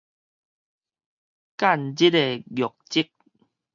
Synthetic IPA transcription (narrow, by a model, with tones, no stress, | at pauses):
ka˥˨nd͡ʑi˦te˧ɡjɔ˨˩k̚t͡ɕi˦k̚